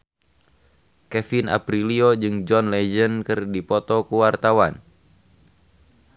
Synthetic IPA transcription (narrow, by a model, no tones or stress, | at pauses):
kɛfina̰pɾiliod͡ʒɨŋd͡ʒɔnlɛd͡ʒənkɨrdipɔt̪ɔkuwart̪awan